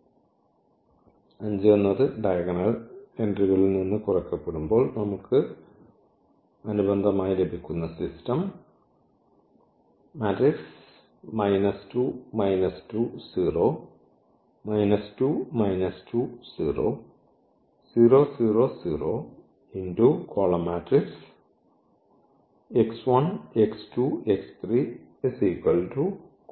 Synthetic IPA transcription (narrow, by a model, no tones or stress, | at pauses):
ɐɲd͡ʑionːɐðɨɖɐjɐɡɐnɐɭe̞ndriɣɐɭilninːɨkurɐkːɐpːeɽumbo̞ːɭnɐmukːɨ | ɐnubɐnd̪ʱɐmaːjile̞bʱikʲːunːɐsistɐm | aːtriks | mɐjnɐstuːmɐjnɐstusiːroː | mɐjnɐstuːmɐjnɐstuːsiːro̰ː | siːroːsiːroːsiːroː | indukʰoːɭɐmaːtriks | eksʋɐnekstuːekst̪riː | esiːkːɐltu